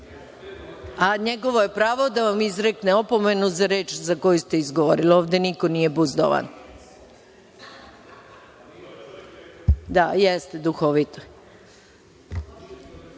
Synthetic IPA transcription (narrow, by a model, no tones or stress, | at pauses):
aɲeɡo̞ʋo̞jepɾaːʋo̞d̪aʋamizɾekneopo̞menuzaɾe̞ːt͡ʃzako̞just̪e̞izɡoʋoɾilioːʋd̪e̞nikonije̞buzd̪o̰ʋa̰n | d̪ajest̪ed̪uxoʋit̪o